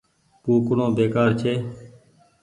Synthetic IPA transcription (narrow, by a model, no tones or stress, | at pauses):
puːkʊɳõːbeːkaːɾt͡ʃʰeː